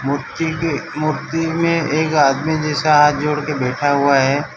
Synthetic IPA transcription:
m | mʊɾd̪imẽeːkaːd̪mid͡ʒɛːsaɦaːt̪̚ʰd͡ʒoːɽkebɛːʈʰaɦʊaɦɛː

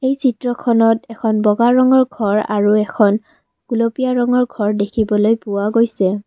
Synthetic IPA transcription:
ejsitɹɔkʰɔnɔtɛkʰɔnbɔɡaɹɔŋɔɹɡʱɔɹa̰ɹuɛkʰɔn | ɡ̥ulopijaɹɔŋɔɹɡʱɔɹdekʰibɔlojpʊwaɡojsɛ

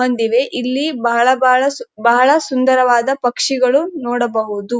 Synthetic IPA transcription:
ɦɐnd̪iʋe̞ʔilːibɐɦɐɭɐbɐɭɐbɐɐɭɐsund̪ɐɾɐʋaːd̪ɐpɐkʂiɡɐɭunɔːɽɐbɐɦud̪u

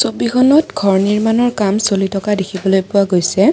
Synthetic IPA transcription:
sobikʰɔnɔtɡʱɔɹniɹmanɔɹkamsolitʰɔkadekʰibɔlojpʊwaɡojsɛ

